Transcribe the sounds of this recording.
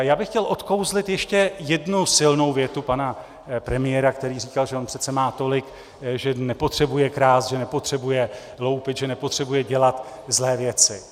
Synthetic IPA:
jaːbɪxcɛlʔo̞t̪ko̞wzlɪt̪jɛʃcɛjɛdnusɪlno̞wvjɛt̪upana | pɾɛmɪjɛːɾakt̪ɛɾiːriːkalʒɛonpr̥ɛt̪t͡sɛmaːt̪o̞lɪk | ʒɛnɛpo̞t̪r̝̥ɛbujɛkɾaːsʒɛnɛpo̞t̪r̝̥ɛbujɛ | lo̞wpɪt̪ʒɛnɛpot̪r̥ɛbujɛɟɛlat̪ | zlɛːvjɛt͡sɪ

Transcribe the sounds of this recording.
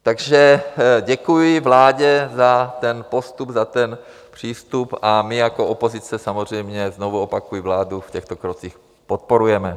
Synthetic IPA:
t̪aɡʒɛɟɛkujɪvlaːɟɛzat̪ɛnpo̞st̪ubzat̪ɛn | pr̝̥iːst̪upamɪjako̞ʔopo̞zɪt͡sɛsamozr̝ɛjmɲɛzno̞vuopakujɪvlaːdufcɛxt̪okɾot͡six | pot̪̚po̞ɾujɛmɛ

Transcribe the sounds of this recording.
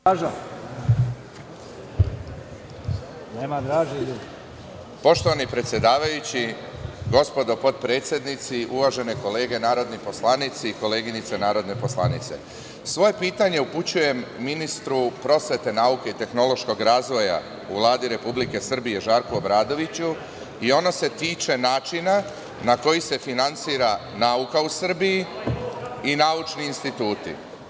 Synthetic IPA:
ʒa | nemad̪ɾaːʒelud̪ | po̞ʃt̪o̞ʋanipɾet̪sje̞d̪aːʋajut͡ɕi | ɡo̞spo̞d̪o̞po̞d̪pɾe̞ːt̪sje̞d̪nit̪siʔuʋaʒe̞ne̞ko̞le̞ːɡe̞naːɾo̞d̪nipo̞slˠanit̪siːko̞le̞ːɡinit̪senaːɾo̞d̪ne̞po̞sla̰nit̪se̞̰ | sʋo̞je̞piːt̪aɲe̞uput͡ɕuje̞mːinist̪ɾupɾo̞sʋe̞t̪e̞naːukeit̪e̞xno̞lo̞ʃko̞ɡɾaːzʋo̞ja̰ | uʋlˠaːd̪iɾe̞publike̞sr̩bije̞ʒaːɾkuobɾaːd̪o̞ʋit͡ɕu | io̞no̞se̞t̪iːt͡ʃe̞naːt͡ʃina | nako̞jise̞finant̪siːɾa | naːukausr̩biji | inaːut͡ʃniːnst̪it̪uːt̪ḭ

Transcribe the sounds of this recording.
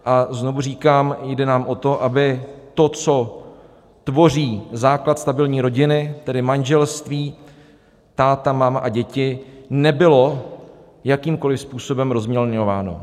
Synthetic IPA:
ʔazno̞vur̝iːkaːmjdɛnaːmʔo̞t̪o̞ʔabɪt̪o̞t͡so̞ | t̪vo̞r̝iːzaːklat̪st̪abɪlɲiːɾo̞ɟɪnɪt̪ɛdɪmanʒɛlst̪viː | t̪aːt̪amaːmaʔaɟɛcɪnɛbɪlo̞ | jakiːmko̞lɪfspuːso̞bɛmɾo̞zmɲɛlɲo̞vaːno̞̰

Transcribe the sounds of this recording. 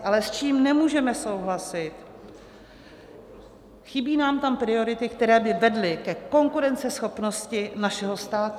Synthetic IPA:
ʔalɛst͡ʃiːmnɛmuːʒɛmɛso̞wɦlasɪt̪ | xɪbiːnaːmt̪ampɾɪo̞ɾɪt̪ɪk̚t̪ɛɾɛːbɪvɛdlɪkɛko̞ŋkuɾɛnt͡sɛsxo̞pno̞scɪnaʃɛɦo̞st̪aːt̪u

